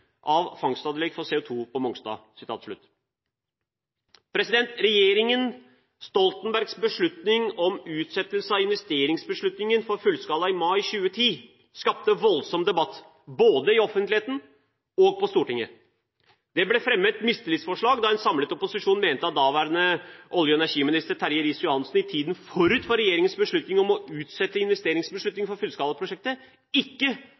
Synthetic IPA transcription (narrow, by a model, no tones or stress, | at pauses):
ʔɑʋfɑŋst̪ɑːd̪əlɛɡfɔsɛːʊt̪ʰuːpʰɔmɔŋsd̪ɑ̰ːsɪ̥t̪ʰɑ̰ːt̪ʂɭʉ̰t̪ː | pʰɾɛsɪd̪ɛnt̪ɾɛjeːɾɪŋən | st̪ɔlt̪nbæɾɡsbəʂɭʉt̪nɪŋɔmʉːt̪sɛt̪ːəlsəɑɪnʋɛst̪eːɾɪŋsbəʂɭʉt̪nɪŋənfɔɾfʉlskɑːlɑɪmɑɪɕʉːət̪ʰiː | skɑp̚t̪əʋɔlsɔmd̪ɛbɑt̪ː | boːd̪əɪɔfənt̪lɪheːt̪n̩ | ɔɡ̚pʰɔst̪uːʈɪŋːə | d̪̥ɛblɛfɾɛmːət̪mɪst̪əlɪt̪sfɔʂɭɑːɡd̪ɑɛnsɑmlət̪ɔpʊsɪʂuːnmeːnt̪əɑt̪̚d̪ɑːʋæːɾənəʔɔljəɛnæɾʂiːmɪnɪst̪əɾt̪ʰæɾjəɾiːsjʊɑnsn̩ɪt̪ʰiːd̪nfɔɾʉːt̪fɔɾɛjeːɾɪŋənsbəʂɭʉt̪nɪŋɔmɔʉːt̪sɛt̪ːəɪnʋɛst̪eːɾɪŋsbəʂɭʉt̪nɪŋfɔɾfʉlskɑːlɑpʰɾʊʂɛk̚t̪ə | ɪkːə